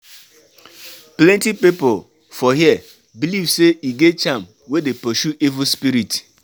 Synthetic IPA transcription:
plɛ̃ntipipʊ | fɔɦiɛ | bilivseiɡet͡ʃam | wedepɔʃuʔivʊspiɾit

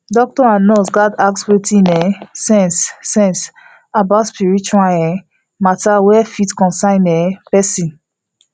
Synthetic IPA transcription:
dɔk̚tɔãnnɔsɡadak̚swetĩnɛsɛ̃nsːɛ̃ns | abatspiɹit͡ʃwalɛ | matawɛfitkɔ̃nsãnɛpɛsĩn

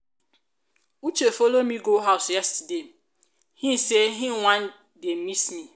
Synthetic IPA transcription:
ut͡ʃefolomiɡoɦaʊsjɛstidem̩ | hĩn̩seɦɪwʷãn | dem̩misni

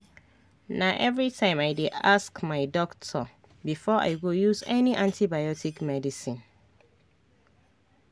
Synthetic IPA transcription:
naʔɛvɹitʰãɪ̃maɪdeaskmaɪdɔktʰɔ | bifɔʔa̰ɪɡojuzɛniʔãntʰibajɔtʰikmɛdisĩn

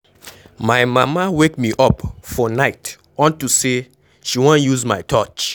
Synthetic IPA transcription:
majmamawekmiʔɔpfɔnaɪt | ɔ̃ntuse | ʃiwõnjuzmajtʰɔt͡ʃ

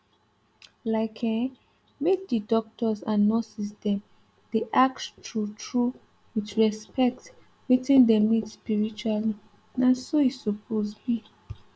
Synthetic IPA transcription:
laɪkʰɛ̃ | mek̚d̪ədɔk̚tʰɔsanːɔsis̬dɛ̃m | d̥eʔak̚ttʰɹutʰɹu | witɹɛspɛk̚t | witĩndɛmitspiɹit͡ʃuali | nãsoisɔpʰozbi

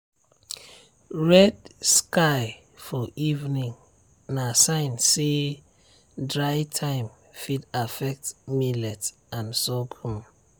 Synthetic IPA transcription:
ɹɛdskaɪ | fɔʔivnĩŋ | nasãɪ̃nse | dɹaɪtʰãɪ̃m | fidafɛk̚tmilɛt | ãnsɔɡʰũm

